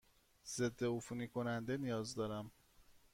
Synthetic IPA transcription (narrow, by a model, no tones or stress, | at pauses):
z̥e̞d̪ːeufunikʰo̞nænd̪e̞nijɒːzd̪ɒːɾæm